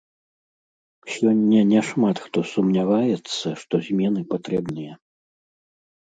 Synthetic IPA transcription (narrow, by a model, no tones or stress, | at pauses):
sʲɔnʲːɐnʲɛʂmat̪xt̪ɔsumnʲavajɛt̪sːɐʂt̪ɔzʲmʲɛnɨpat̪ɾɛbnɨjɐ